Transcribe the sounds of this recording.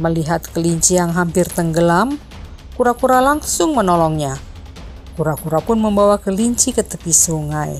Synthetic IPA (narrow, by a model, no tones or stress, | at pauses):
məliɦat̪kəliɲt͡ʃijaŋɦampɪrt̪əŋɡəlam | kuɾakuɾalaŋsʊŋmənɔlɔŋɲa | kuɾakuɾapʊnməmbawakəliɲt͡ʃikət̪əpisuŋaj